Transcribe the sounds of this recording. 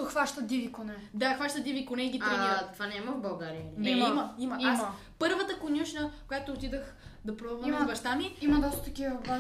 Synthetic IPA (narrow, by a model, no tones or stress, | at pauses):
t̪oxvaʃt̪əd̪ivikonɛd̪axvaʃt̪əd̪ivikonɛiɡʲit̪ɾiit̪ovanɛimɐvbɐlˠɡaɾiənɛmimɐimɐia | pɤɾvət̪əkonʲuʃnəkojat̪oːt̪id̪əxd̪ɐpɾvɐnɡɐʃt̪amiimɐd̪ɔst̪ə̥t̪ɐkʲivɐa